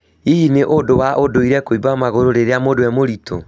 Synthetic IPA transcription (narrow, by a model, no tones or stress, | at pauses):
iineʔodowaʔodoiɾɛkoibamaɣoɾoɾeɾeamodoɛmoɾito̰